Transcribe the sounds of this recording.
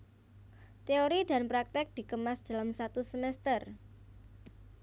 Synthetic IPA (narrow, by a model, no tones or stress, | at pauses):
t̪eoɾida̤npɾak̚t̪ɪk̚d̪̥i̤kəmasd̥a̤lamsat̪usəmɛst̪ər